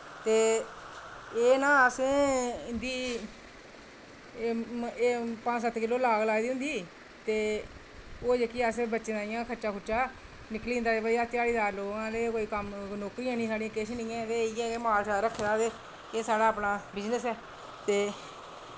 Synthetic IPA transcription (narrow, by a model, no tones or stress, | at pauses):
t̪eː | eːnãːəsẽːnd̪iː | pãːsət̪kɪlːoːlaːɡlaːd̪iːʊ̃nd̪iː | t̪eː | oːd͡ʒekiːaːsebətːʃed̪ãːɪjãːkʰəʃaːkʰʊʃaː | nɪkliːɦʊnd̪aːeːbaːiːaːt̪jaːɽiːzaːɾloːɡãːleːkoːiːkəmnoːkɾiːãːnĩːsaːɽĩjãːkɪʃnĩːãːt̪eːɪjãːeːmaːlsaːɾəkʰːd̪aːd̪eː | eːsaːɽaːəpnaːbɪd͡ʒnəsɛː | t̪eː